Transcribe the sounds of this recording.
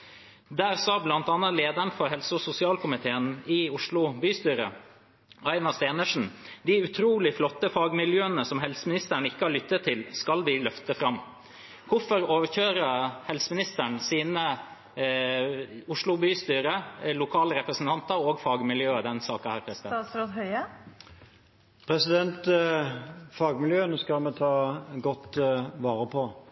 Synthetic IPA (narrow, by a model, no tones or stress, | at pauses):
d̪æːɾsɑːblɑnt̪ɑnːɑt̪leːd̪æɳfɔɾɦɛlsʊsʊsɪɑːlkʊmɪt̪ʰeːənɪʊʂɭʊbyːst̪yːɾə̰ | ɑɪnɑst̪eːnəʂn̩d̪ɪʉt̪ʰɾuːlɪflɔt̪ːəfɑːɡmɪljøːənəsɔmɦɛlsəmɪnɪst̪æɳɪkːəɑɭʏt̪ːət̪ʰːɪlskɑlʋɪlœft̪əfɾɑmː | ʋʊfɔɾoːʋəçøːɾəhɛlsəmɪnɪst̪əɳsiːnə | ʊʂlʊbyːst̪yːɾəlʊkʰɑːləɾɛpɾəsn̩t̪ɑnt̪əɾoːɡfɑːɡmɪljøːəd̪ɛnsɑːkɑhæːɾpʰɾɛsɪd̪ɛɾot̪hœʏə | pʰɾɛsɪd̪ɛnt̪ | fɑːɡmɪljøːnoːskɑlmɛt̪ʰɑːɡɔt̪ːʋɑːɾəpʰɔ